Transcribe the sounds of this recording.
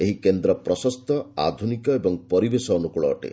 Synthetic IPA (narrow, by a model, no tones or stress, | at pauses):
eɦikend̪ɾɔpɾɔsɔst̪ʰɔa̰d̪ʱunikɔebɔŋpɔɾibesɔːnukuɭɔːʈḛ